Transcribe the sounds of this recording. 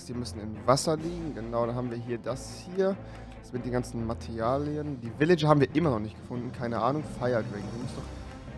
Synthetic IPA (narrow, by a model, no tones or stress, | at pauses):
sv̥iːɐmʏsn̩ɪmvasɐliːɡŋ̩ɡənaʊɾanɦaːm̩viːɐɦiːɐdashiːɐ̥ | smɪtd̥eːnŋɡant͡sn̩matʰɛʁjaːlijəndiːvɪlɪd͡ʒəhaːbm̩viːɐʔɪmɐnɔχnɪçtɡ̥əfʊndn̩kʰaɪnəʔaːnʊŋfaɪɐdʁɪŋkimʊstd̥ɔχ